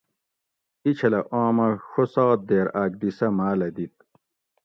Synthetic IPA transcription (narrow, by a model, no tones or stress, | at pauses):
it͡ɕʰɐlɐʔoːmɐxosaːd̪eːɾaːk̚d̪isɐmaːlɐd̪it̪̚